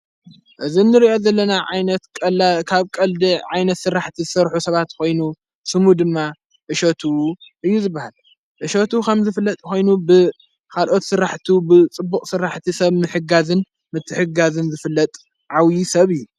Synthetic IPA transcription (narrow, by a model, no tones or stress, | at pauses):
ʔɨzinːɨɾiʔo̞zɐlːɐnaʕajnɐt̪kʼɐkʰaβkʼɐld̪iʕajnɐt̪sɨɾːaħt̪ʰizɨsɐɾħusɐβat̪kʰo̞jnu | sɨmud̪ɨmːa | ʔɨʃot̪ʰuʔɨjːuzɨbːahal | ʔɨʃot̪ʰukʰɐmzɨfɨlːɐt̪ʼkʰo̞jnubɨ | kʰalʔo̞t̪sɨɾːaħt̪ʰubɨt͡sʼɨbːukʼsɨɾːaħt̪ʰisɐβmɨħɨɡazɨn | mɨt̪ʰːɨħɨɡazɨnzɨfɨlːɐt̪ʼ | ʕawjisɐβɨjːu